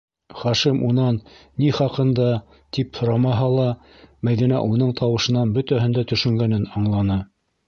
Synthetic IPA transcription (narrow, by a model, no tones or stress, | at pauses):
χɑʃimunɑnː | iχɑqɤ̆nd̪ɑ | t̪iphŏɾɑmɑɦɑlˠɑ | mæjðinæ̰ʔunɤɴt̪ʰɑwɤ̆ʃɤ̆nɑnbɵ̆t̪æɦɘ̆nd̪æt̪ɵ̆ʃɵ̆ŋɡænɘnɑɴlˠɑnɤ